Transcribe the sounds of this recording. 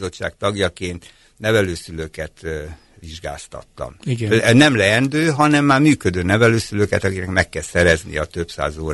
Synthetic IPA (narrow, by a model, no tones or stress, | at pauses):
zo̞t͡ʃːa̰ːk̚t̪ɒɡjɒkeːnt̪ | nɛvɛløːsyløkɛt̪ | ʋiʒɡa̰ːst̪ɒ̰t̪ːɒ̰miɡnɛmlɛɛnd̪øːɦɒnɛmːaːrmyːkød̪øːnɛvɛløːsyløkɛt̪ɒkiknɛkmɛkːɛlsɛɾɛznḭɒt̪ø̞psa̰ːzoːɾ